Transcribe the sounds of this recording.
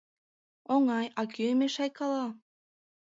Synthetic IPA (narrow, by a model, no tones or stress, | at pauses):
oŋɑjɑkʲymeʃɑjkɑlˠɑ